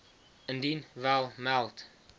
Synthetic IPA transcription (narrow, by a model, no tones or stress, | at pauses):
əndinvɛlˠmɛlˠt